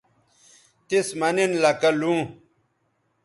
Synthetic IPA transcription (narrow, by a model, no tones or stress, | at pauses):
t̪ismɐninlɐkɐlũː